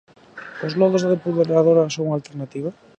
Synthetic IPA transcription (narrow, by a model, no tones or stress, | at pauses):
ozlɔðoðepuðeɾaðoɾasoŋalt̪eɾnat̪iβ̞a